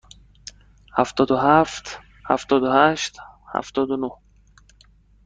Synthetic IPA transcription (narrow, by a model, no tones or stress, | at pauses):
haft̪ɔd̪ʊɦaft̪ | ha̰ft̪ɔd̪ʊhaʃt̪ha̰ft̪ɔd̪uno